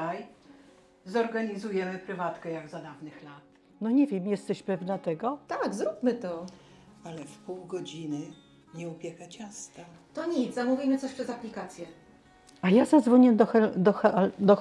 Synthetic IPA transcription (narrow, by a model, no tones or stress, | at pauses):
aj | zɔɾɡaɲizujɛmɘpɾɘvat̪kɛjaɡzad̪avnɘxlat̪ | nɔɲɛvʲjɛmjɛst̪ɛɕpɛvnat̪ɛɡɔt̪aɡzɾupmɘt̪ɔ | alɛfpuwɡɔd͡ʑinɘ | ɲɛupʲjɛxat͡ɕast̪a | t̪ɔɲit̪samuvʲimɘt̪ɔɕpʂɛzaplʲikat̪sʲjɛ | ajazad̪zvɔɲɛd̪ɔxɛd̪ɔxd̪ɔ